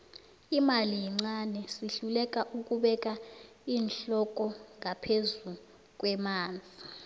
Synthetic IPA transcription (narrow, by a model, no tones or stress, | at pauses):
imalijɛŋ͡ǀanɛsiɬulɛk̬ʼaʔuk̬ʼuɓɛk̬ʼa | iːnɬɔk̬ʼɔŋʱapʰezu | k̬ʼwɛmaːnd͡zʱi